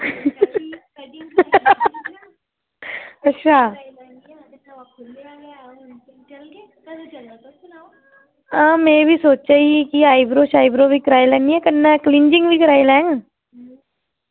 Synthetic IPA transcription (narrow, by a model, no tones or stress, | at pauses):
ɐtːʃʰaː | ãːmẽːbʱisoːt͡ʃaikiaːibɾoːʃaːibɾoːbʱikəɾaːilɛːniɛkənːaklɪ̃ɲd͡ʒɪ̃ŋɡbʱikəɾaːilɛ̃ːŋ